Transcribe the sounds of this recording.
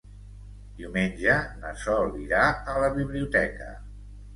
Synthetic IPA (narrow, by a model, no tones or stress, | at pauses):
d̪̥iwmenʲd͡ʒənəsɔlˠiɾaələβiβliut̪ɛkə̰